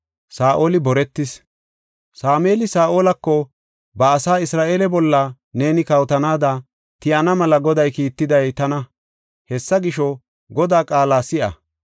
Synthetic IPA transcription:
saːʔoːlɪbɔɾɛt̪ːɪs | saːmeːlɪsaːʔo̞ːlɐkːɔ | bɐːsaːɪsɾaːʔe̞ːlɛbɔlːɐ | ne̞ːnɪkɐwt̪ɐnaːd̪ɐ | t̪ɪʔɐnɐmɐlɐɡɔd̪ɐjkiːt̪ːɪd̪ɐjt̪ɐnɐ | hɛsːɐɡɪʃɔ | ɡɔd̪aːkʼaːlaːsɪʔɐ̰

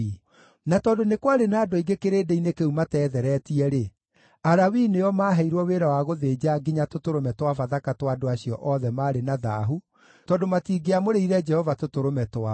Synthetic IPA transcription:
natɔːndonekwaɾenaːdoiɡekeɾeːdeinekeumatɛːðɛɾɛtiɛɾe | aɾawineɔmaːɦɛiɾwɔweːɾawaɣoðeːd͡ʑaɡiɲatotoɾomɛtwafaðakatwadoaɕijɔ̰ʔɔðɛmaːɾenaða̰ɦu | tɔːndomatiːɡeamoɾeiɾɛd͡ʒɛhɔvatotoɾomɛtwa

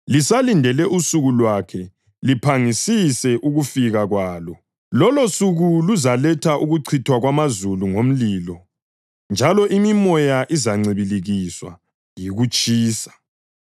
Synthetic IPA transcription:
lisalindʱɛlɛʔusuɣulwakʰɛ | lipʰaŋisisɛʔuɣufiɣaɣwaːlɔ | lɔlosuɣuluzalɛtʰaʔuɣuǀʰitʰwaɣwamazuluŋom̩liːlɔ | nd͡ʒʱalɔʔimimɔjaʔizaŋ͡ǀiβiliɣiswa̰ | jiɣut͡ʃʼʰiːsḁ

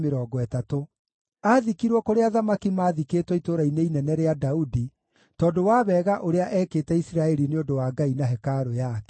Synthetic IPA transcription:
meɾɔːɡɔɛtato | aðikiɾwɔkoɾeaðamakimaːðikeːtwɔitoɾaineinɛnɛɾeadaudi | tɔːdowaβɛːɣaʔoɾeaʔɛːkeːtɛisiɾaɛɾineodowaːɡainaɦɛkaɾojakɛ̥

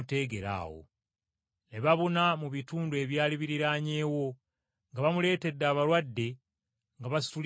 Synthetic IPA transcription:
te̞ːɡe̞ɾa̰ːwo̰ | neβaβonamuβituːndue̞βjaːliβiɾiɾaːɲe̞ːwo̞ | ŋɡaβamule̞ːte̞d̪ːaːβaɾwadːe̞ | ŋɡaβasi̥tul

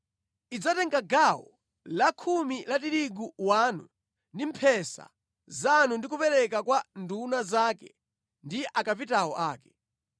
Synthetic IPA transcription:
id͡zatɛŋɡaɡawɔ̰ | lakʰumilatiɾiɡuwaːnu | ndimpʰɛsa̰ | zanundikupɛɾɛkakwandunazaːkɛ̰ | ndiʔakapitawɔʔaːkɛ̥

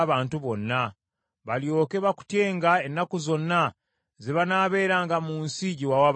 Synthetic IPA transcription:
βaːntuβo̞nːa | βaljo̞ːkeβaku̥tje̞ːŋɡaenːakuzo̞nːa | zeβanaːβe̞ːɾaːŋɡamuːnsiɟiwawaβ

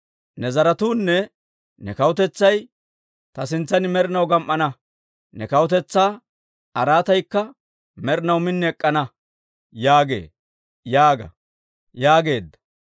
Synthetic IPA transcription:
nɛzɐɾɐt̪uːnːɛ | nɛkɐwʊt̪ɛt͡sːɐj | t̪ɐsɪnt͡sːɐnɪmɛɾɪnɐwɡɐmʔːɐnɐ | nɛkɐwʊt̪ɛt͡sːaː | ɐɾaːt̪ɐjkːɐ | mɛɾɪnɐwmɪnːɛɛkʼːɐnɐ | jaːɡe̞̰ː | jaːɡɐ̰ | jaːɡe̞ːd̪ːɐ̥

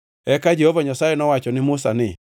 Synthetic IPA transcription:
ɛkad͡ʒehovaɲasajɛnɔwat͡ʃɔnɪmʊsanɪ

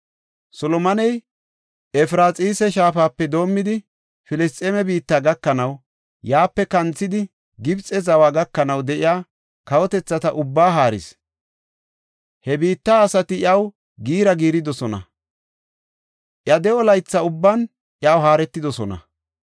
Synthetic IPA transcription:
sɔlɔmɐnɛj | ɛfɾaːt͡sʼiːsɛʃaːfaːpːɛd̪o̞ːmːɪd̪ɪ | fɪlɛst̪ʼeːmɛbiːt̪ːaːɡɐkːɐnɐw | jaːpːɛkɐnt͡sːɪd̪ɪ | ɡɪbt͡sʼːɛzɐwaːɡɐkːɐnɐwd̪ɛʔɪjaː | kɐwɔt̪ɛt͡sːɐt̪ɐʔʊbːaːɦaːɾɪ̰s | hɛbiːt̪ːaːsɐt̪ɪjɐw | ɡiːɾɐɡiːɾɪd̪ɔsɔnɐ̰ | ʔjɐd̪ɛɔlɐjt͡sːɐʊbːɐn | ʔjawɦaːɾɛt̪ːɪd̪ɔsɔnɐ̰

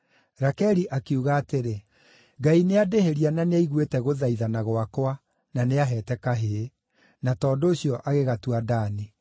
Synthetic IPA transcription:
ɾakɛɾiʔakeuɣaːteɾe | ɡaineadeheɾiananeaiɣwetɛɣoðaiðanaɣwakwa | naneaɦɛːtɛkaɦe | natɔːdoːɕjɔʔaɣeɣatuadaːni

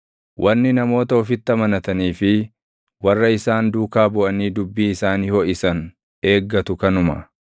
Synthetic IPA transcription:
wʔɐnːɪnɐmo̞ːt̪ɐɔfɪt̪ːɐmɐnɐt̪ɐniːfɪ | wɐrːɐɪsaːnd̪uːkaːbʊʔɐniːd̪ʊbːiːɪsaːniːhɔʔɪsɐn | e̞ːɡːɐt̪ʊkɐnʊmɐ̰

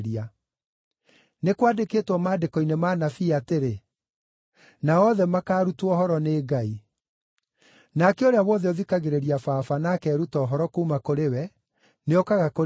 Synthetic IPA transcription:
ɾia | nekwadekeːtwɔmaːdekɔinemaːnafiateɾe | naɔðɛmakaːɾutwɔhɔɾɔneːɡai | nakɛoɾeawɔðɛɔðikaɣeɾeɾiafaːfanakɛɾutɔːɦɔɾɔkoːmakoɾewɛ | neokaɣako

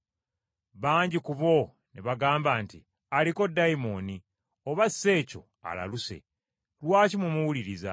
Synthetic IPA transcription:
βaːɲɟikuβo̞ | niβaɡaːmbaːnti | aliko̞dːajmo̞ni | o̞βasːe̞ːco̞̰ | a̰la̰luse̞̰ | ɾwaːcimumuwuliɾiza̰

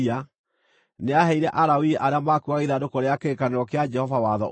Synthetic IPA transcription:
a | neaɦɛiɾɛʔaɾawiʔaɾeamakuaɣiðadokɔɾeakeɾkaneɾɔkead͡ʒɛhɔvawaðɔ

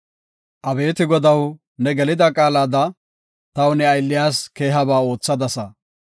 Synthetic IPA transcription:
ʔɐbe̞ːt̪ɪɡɔd̪ɐw | nɛɡɛlɪd̪ɐkʼaːlaːd̪ɐ | t̪ɐwnɛɐjlːɪjaːske̞ːɦɐbaːo̞ːt͡sːɐd̪ɐsɐ

